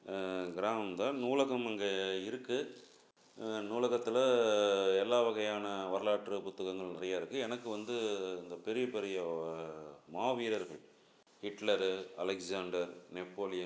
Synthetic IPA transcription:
ɡɪɾaːmɐmd̪ãːnuːlɐɣɐmɐŋɡeɪɾɯkːɯ | nuːlɐɣɐt̪ːɪlɐ | ɛlːaːʋɐɣɐjaːnɐʋɐɾɐlaːʈrɯpʊt̪ːɐɣɐŋɡɐɭnɪrɐjaːɪɾɯkːɯɛnɐkːɯʋɐnd̪ɯɪnd̪ɐpɛɾɪjɐpɛɾɪjɐ | maːʋiːɾɐɾɣɐɭ | hɪʈlɐɾɐlɛkzaːɳɖɐɾnɛpːoːlɪjɐ

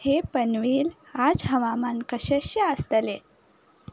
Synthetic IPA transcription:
hepənʋiːl | ad͡zɦəʋamankəɕeɕiəst̪əle

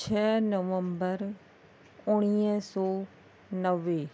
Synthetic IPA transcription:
t͡ʃʰɛːnəʋəmbəɾ | ʊɽ̃iə̃sɔː | nəʋeː

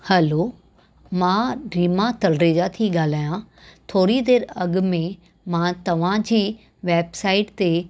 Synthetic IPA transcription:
hɛloː | mãːɾiːmat̪ɐlɾeːd͡ʑat̪ʰiɠaːl̤aːjã | t̪ʰoːɾid̪eːɾɐɠ̆mẽ | mãːt̪ɐʋ̤ãd͡ʑiː | ʋeːbsaːɪʈt̪e

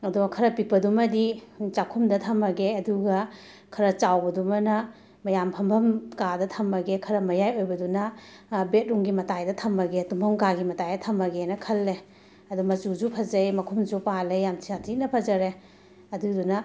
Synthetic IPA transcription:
ɐduɡɐkʰɐɾɐpik̚pɐdumɐdit͡ʃakʰumdɐt̪ʰɐmɐɡeɐduɡɐ | kʰɐɾɐt͡ʃawbɐdumɐnɐ | mɐjampʰɐmbʱɐmkadɐtʰɐmɐɡekʰɐɾɐmɐjajojbɐdunɐbet̚ɾuŋɡimɐtajdɐtʰɐmɐɡetumbʱɐmɡaɡimɐtajdɐt̪ʰɐmɐɡenɐkʰɐlːe | ɐdumɐzud͡ʒupʰɐzɐjmɐkʰumd͡ʒupalejamt͡ʃʰiatʰinɐpʰɐzɐɾe | ɐdudunɐ

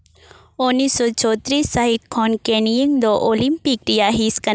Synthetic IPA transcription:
onːisɔt͡ʃɔːt̪ɾisːaɦit̪̚kʰɔnkenijiŋd̪oʔolimpik̚ɾijaɦiskɐ

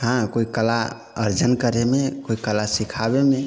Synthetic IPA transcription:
ɦãkoikəla | ə̰ɾd͡ʒənkəɾemekoikəlasikʰabeme

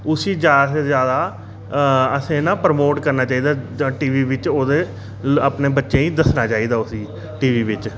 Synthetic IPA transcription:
ʊsiːd͡ʒjaːd̪sezjaːd̪aː | əsẽːnãːpəɾəmoːʈkəɾnaːt͡ʃaːiːd̪aːʈiːʋiːʋɪt͡ʃoːd̪eː | əpneːbətːʃẽːĩːd̪əsnaːt͡ʃaːiːd̪aːʊsiː | ʈiːʋiːʋɪt͡ʃ

